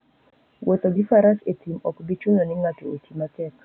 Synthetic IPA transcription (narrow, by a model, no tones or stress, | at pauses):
wʔot̪oɡɪfaɾaset̪imɔkbit͡ʃunonɪŋatootimat̪ɛk